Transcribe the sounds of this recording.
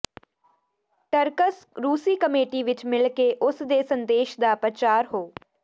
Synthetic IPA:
ʈəɾkəsɾuːsiːkəmeːʈiːʋɪt͡ʃmɪlkeʔʊsd̪eːsənd̪eːʃd̪aːpɾət͡ʃaːɾɦoː

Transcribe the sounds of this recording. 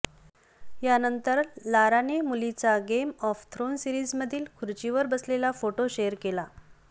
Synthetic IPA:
janənt̪əɾlaɾanemulit͡saɡemɔft̪ʰɾonsiɾid͡zməd̪ʱiːlkʰuɾt͡ɕiʋəɾbəslelafoʈoɕejəɾkela

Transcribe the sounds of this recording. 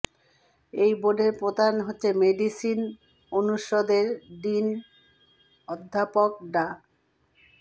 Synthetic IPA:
ejboɖʱeɾpɾot̪anɦotːɕʰemeɖisin | onuʃod̪eɾɖin | ɔd̪ʱːapok̚ɖa

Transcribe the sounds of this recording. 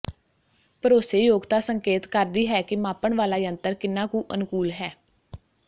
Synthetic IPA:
pəɾoːseːjoːɡt̪aːsəŋkeːt̪kəɾd̪iːɦɛːkɪmaːpəɳʋaːlaːjənt̪əɾkɪnːãːkũːʔənkuːlɦɛː

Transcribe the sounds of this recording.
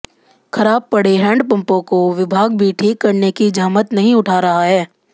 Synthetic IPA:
kʰɐɾaːb̚pɐɽeɦɛ̃ːɳɖpɐ̃mpõkoʋɪbʱaːɡbʱiʈʰiːkːɐɾnekid͡ʒaːmət̪nɐɦĩʊʈʰaːɾɐɦaɦɛː

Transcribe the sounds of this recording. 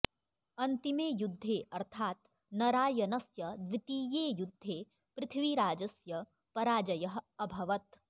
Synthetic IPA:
ɐnt̪imeːjud̪ʱːeːʔɐɾt̪ʰaːt̪ | nɐɾaːjɐnɐsjɐd̪ʋɪt̪iːjeːjʊd̪ʱːeː | pɾɪt̪ʰʋiɾaːd͡ʒɐsjɐ | pɐɾaːd͡ʒɐjɐɦɐbʱɐʋɐt̪

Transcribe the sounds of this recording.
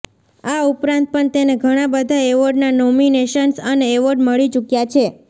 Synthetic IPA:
aupɾãnt̪̚pəɳt̪eneɡʱəɽ̃abəd̪ʱaeʋəɖnanɔmineʃənsəneːʋəɖməɭit͡ʃukjat͡ʃʰe

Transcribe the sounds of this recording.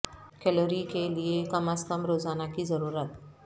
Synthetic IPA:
kɛloɾikeliekɐməskəmɾoːzaːnakizɐɾuːɾət̪̚

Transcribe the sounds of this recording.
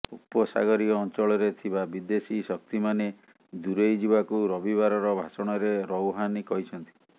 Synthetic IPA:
upɔsa̰ɡɔɾiɔːnt͡ʃɔɭɔɾet̪ʰibabid̪esisɔk̚t̪imane | d̪uɾejd͡ʒibakuɾɔbiβaɾɔɾɔbʱasɔɽ̃ɔɾeɾɔwɦanikɔɦit͡ʃʰɔnt̪i̥

